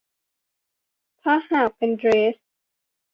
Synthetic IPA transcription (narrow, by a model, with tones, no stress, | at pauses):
p̪ʰa˦˥haː˧˩pe˧˨ndɾeː˦˥s